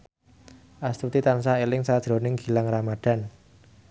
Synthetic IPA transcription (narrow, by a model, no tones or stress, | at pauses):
ʔast̪ut̪it̪ansaelɪŋsad̥ʒ̥ɾo̤nɪŋɡi̤laŋramad̥a̤n